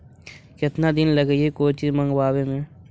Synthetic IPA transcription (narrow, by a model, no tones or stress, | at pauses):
kɪt̪nad̪ɪnlɐɡəiekoːt͡ʃimɐ̃ŋɡwaːwemẽ